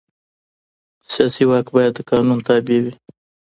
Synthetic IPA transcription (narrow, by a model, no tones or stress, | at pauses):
sijɑsiwɑkbɑjad̪ːəkɑnunt̪ɑbewi